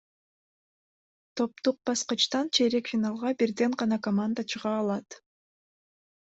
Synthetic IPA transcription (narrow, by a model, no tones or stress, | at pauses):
t̪ʰo̞p̚t̪uq̚b̥ɑsqət͡ʃt̪ɑnt͡ʃʰeɾekfʲinɑlˠʁɑbiɾd̪e̞ɴʁɑnɑkomand̪ət͡ʃʰɯʁɑːlˠɑt̪